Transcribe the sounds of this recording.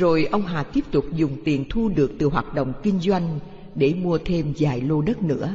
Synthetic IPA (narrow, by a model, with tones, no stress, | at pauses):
zo˨˩jʔə˧wŋ͡mɦa̰ː˨˩t̪i˦˥əp̚t̪ʊ˨˩k͡p̚zʊ˨˩ŋ͡mt̪i˨˩ənt̪ʰu˧ɗɨ˨˩ək̚t̪ɨ˨˩ɦwaː˨˩t̚ɗo̰˧˨wŋ͡mkï˧ŋ̟zwa˧jŋ̟ | ɗe˧˩mu˧ət̪ʰe˧mzaː˨˩jlo˧ɗə˦˥t̚nɨ̰˧˥ə